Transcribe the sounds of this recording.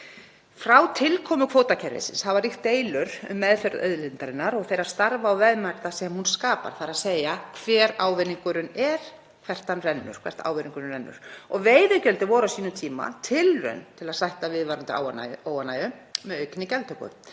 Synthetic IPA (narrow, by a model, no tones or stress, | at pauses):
fɾawt̪ʰɪlkʰɔːmʏkʰvowt̪acʰɛɾvɪ̰sɪ̰nshavaɾixt̪eːjlʏɾʏmːɛðfœɾœ̰ðlɪnt̪aɾɪnːaɾɔɣθejɾaɾ̥st̪aɾvaːwvɛðmaɾt̪asɛmhunskaːpa̰ɾ̥θaɾaðseːjakʰvɛːɾaːwvɪniŋkʏɾʏnɛɾ̥ | kʰvɛr̥t̪anrɛnːʏ̰ɾ̥kʰvɛ̰̥t̪ʰa̰ːwvɪniŋkʏɾnrɛnːʏ̰ɾ̥ɔɣveːjðʏcɛlt̪ɪvɔːɾawsiːnʏmt̪ʰiːma̰t̪ʰɪlrœ̰nt̪ʰɪlaðsajht̪avɪðvaɾʏnt̪ɪa̰a̰oːwanːajʏmɛðœɥkɪnɪcɛlt̪hœkʏ̰